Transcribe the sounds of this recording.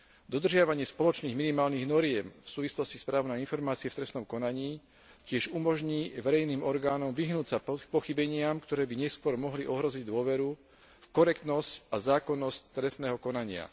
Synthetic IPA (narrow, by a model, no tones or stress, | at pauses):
d̪ɔd̪r̩ʒɪaʋaɲɪɛspɔlɔt͡ʃniːɣminimaːlniɣnɔɾɪɛmfsuːʋislɔscispɾaːʋnɛjinfɔɾmaːt͡siɛft̪ɾɛsnɔmkɔnaɲiː | cɪɛʒumɔʒɲiːʋɛɾɛjniːmɔɾɡaːnɔmʋiɦnuːsapɔxibɛɲɪamkt̪ɔɾɛːbiɲɛskʊɔɾmɔɦliʔɔɦɾɔziɟd̪ʊɔʋɛɾu | fkɔɾɛkt̪nɔscazaːkɔnːɔsct̪ɾɛst̪nɛːɦɔkɔnaɲɪa̰